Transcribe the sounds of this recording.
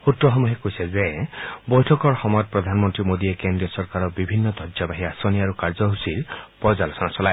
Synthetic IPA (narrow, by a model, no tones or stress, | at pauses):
ut̪ɾɔɦɔmuɦekojsezebɔjʈʰɔkɔɾxɔmɔjɔt̪̚pɾɔd̪ʱanmɔnt̪ɾimod̪iekend̪ɾiɔsɔɾkaɾɔbibʱinːɔd̪ʱɔd͡ʒabaɦiasɔniaɾukaɾd͡ʒɔɦusiɾpɔzalɔsɔnasɔlae